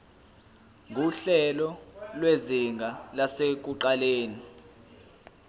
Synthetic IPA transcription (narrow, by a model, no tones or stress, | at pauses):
ŋʱuɬɛlɔlweziŋɡʱalasek̬uǃaleːni